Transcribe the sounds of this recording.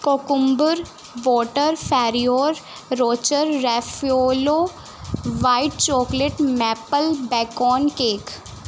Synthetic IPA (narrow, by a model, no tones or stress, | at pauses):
koːkʊmbʊɾ | ʋɔːʈəɾfʰɛːɾioːɾː | oːt͡ʃəɾːɛfioːloː | ʋaːɪʈ̚t͡ʃɔːkleʈmɛːpəlbɛːkɔːnkeːk